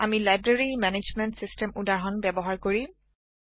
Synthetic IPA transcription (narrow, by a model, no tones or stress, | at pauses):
amilajbɹaɹimɛned͡ʒmɛnʈsistɛmudaɹɦɔnbɛbɔɦaɹkoɹi